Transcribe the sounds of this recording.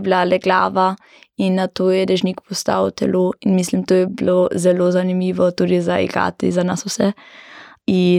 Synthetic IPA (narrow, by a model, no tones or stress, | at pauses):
blalɛɡla̰ːʋa | inːat̪oːjɛd̪ɛʒnikpɔst̪a̰wt̪ɛ̰loinmis̬limt̪oːjɛblozɛlozanimiːʋɔt̪uɾizaḭɡa̰ːt̪ḭzanasusɛ | i